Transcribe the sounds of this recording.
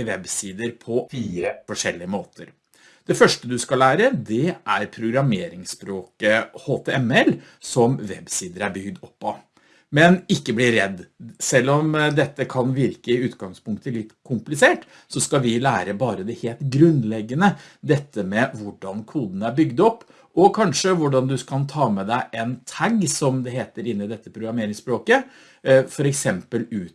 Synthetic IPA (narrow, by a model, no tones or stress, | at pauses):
ʋɛbsiːd̪əɾpʰɔfiːɾəfɔʂɛlːɪəmoːt̪ʰəɾ | d̪̥ɛfœʂʈəd̪ʉskɑlæːɾəd̪ɛæɾpʰɾʊɡɾɑmeːɾɪŋspɾoːkəhoːt̪ʰɛɛmɛl | sɔmʋɛbsiːd̪əɾæɾbʏɡd̪ɔpːɑ | mɛnɪkːəblɪɾɾɛd̪ːsɛlːɔmd̪ɛt̪ːəkʰɑnʋɪɾkəɪʉːt̪ɡɑŋspʊŋkt̪əlɪt̪ːkʰʊmplɪseːʈ | sɔskɑʋɪlæːɾəbɑːɾəd̪ɛheːlt̪ɡɾʉnlɛɡːənə | d̪ɛt̪ːəmɛʋʊɖɑnkʰuːd̪ən̩æɾbʏɡd̪ɔpː | ɔkʰɑnʂəʋʊɖɑnd̪ʉkʰɑnt̪ʰɑːmɛd̪æɪʔɛnt̪ʰæɡsɔmd̪ɛɦeːt̪əɾɪnːɪd̪ɛt̪ːəpʰɾʊɡɾɑmeːɾɪŋsbɾoːkə | fɔɾɛksɛmpəlʉː